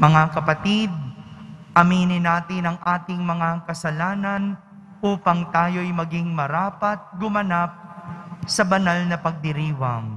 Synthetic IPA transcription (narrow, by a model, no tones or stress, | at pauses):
mɐŋakɐpɐt̪id̪̚ʔɐmiːnɪnaːt̪ɪnɐŋʔaːt̪ɪŋmɐŋakɐsɐlaːnɐn | ʔuːpɐŋt̪aːjo̞jmɐɡɪŋmɐɾaːpɐt̪̚ɡʊmɐnap̚sɐbɐnalnɐpɐɡ̚d̪ɪɾiːwɐŋ